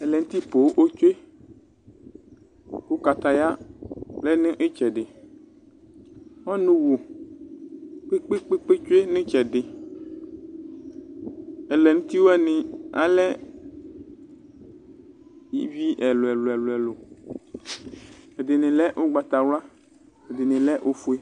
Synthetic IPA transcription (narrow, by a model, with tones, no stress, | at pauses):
ɛ˨lɛ˨ŋ̩ũ˦t̪i˦po˨wʔo˦t͡ʃo˦e˦ | wo˦ka˨t̪a˨ja˦lɛ˦nẽ˦ʔe˦t͡ʃɛ˨ɖɪ˨ | ɔ˦nũ˦wo˨ | k͡pe˦k͡pe˦k͡pe˦k͡pe˦t͡ʃo˦e˦nẽ˦t͡ʃɛ˨ɖɪ˨ | ɛ˨lɛ˨nũ˦t̪i˦wo˦ɛ˦nɪ̃˨a̰˨lɛ˦ | ji˦vi˦ʔɛ˨lo˨ɛ˨lo˨ɛ˨lo˨ɛ˨lo˨ | e˨d̪ɪ˨nɪ̃˨lɛ˦ʔo˦ɡ͡ba˨t̪a˨wla˦ | e˨d̪e˨nɪ̃˨lɛ˦ʔo˦fu˦e˦